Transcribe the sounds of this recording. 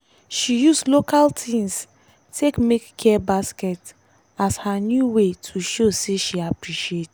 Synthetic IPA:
ʃijuslokaltʰĩms | tekmekːʰɛɛbaskɛt | ashanjuwetʰuʃoseʃiapɹiʃiet

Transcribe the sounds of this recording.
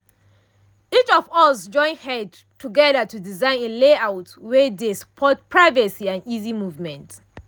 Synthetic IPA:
it͡ʃɔvɔsd͡ʒɔ̃ɪ̃nhɛd | tʰuɡɛðətudizãɪ̃nĩnleaʊtwɛdesə̥pʰɔt̚pʰɹaɪvəsiãnizimuvmɛ̃nt

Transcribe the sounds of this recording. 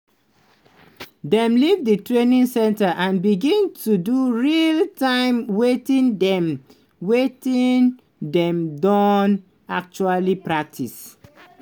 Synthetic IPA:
dɛ̃mlivdətɹenĩŋsɛ̃ntaʔãnbiɡĩntʰuduɹiltãɪ̃mwetĩndɛ̃m | wetĩn | dɛ̃mdɔ̃n | ak̚t͡ʃualipɹak̚tʰis

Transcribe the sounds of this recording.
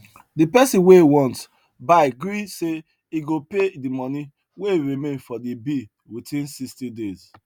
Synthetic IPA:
dipɛsĩnweiwɔ̃nt | baɪɡɾise | iɡopedimɔni | weiɾimẽnfɔdibi | witĩnsistidez̥

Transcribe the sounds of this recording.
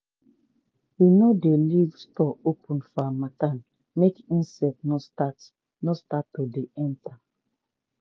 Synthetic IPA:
winodelivstɔopʰũnfɔamatan | mekĩnsɛtnotat | nostatːodeʔɛ̃nta

